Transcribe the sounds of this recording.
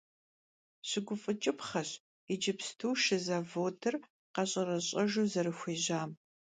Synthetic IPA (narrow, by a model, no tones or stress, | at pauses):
ɕɪɡʷʊfʼɨt͡ʃʼɪpχɐɕ | id͡ʒɪpstʰuwʃɪzaːvoːdɨr | qɐɕʼɐrɐɕʼɐʒuːzɐɾɨxʷeːʑaːm